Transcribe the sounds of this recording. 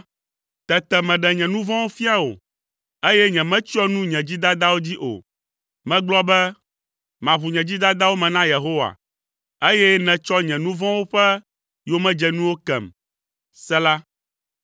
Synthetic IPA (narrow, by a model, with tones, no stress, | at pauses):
t̪ɛ˨t̪ɛ˨mɛ̃˨ɖɛ˨ɲɛ̃˨nũ˦vɔ̃˦wo˦fi˦a˦wo̰˨ | e˦jɛ˦ɲɛ̃˨mɛ̃˦t͡ɕi˦ɔ˦nũ˦ɲɛ̃˨d͡ʑi˦d̪a˦d̪a˦wo˦d͡ʑi˦ʔo̰˨ | mɛ̃˦ɡ͡blɔ˦bɛ˦ | mã˨βu˨ɲɛ̃˨d͡ʑi˦d̪a˦d̪a˦wo˦mɛ̃˨nã˦je˨ɦo˦wa̰˨ | e˦jɛ˦nɛ̃˨t͡ʃɔ˦ɲɛ̃˨nũ˦vɔ̃˦wo˦ɸɛ˦ | jo˦mɛ̃˦d͡ʒɛ˨nũ˦wo˦kɛ̰˨m | sɛ˦la˦